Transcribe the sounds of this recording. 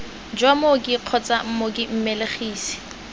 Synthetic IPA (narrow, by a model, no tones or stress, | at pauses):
d͡ʒwamokʼɪq͡χʰɔt͡sʼam̩mokʼɪm̩meleχiːsi̥